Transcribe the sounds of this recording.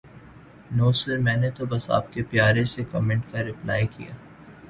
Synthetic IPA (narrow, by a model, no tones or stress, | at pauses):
noːsəɾmɛ̃ːnet̪obɐsa̰ːp̚kepjaːɾesekɔmɛ̃ːɳʈkaɾɪpla̰ːjkḭja̰ː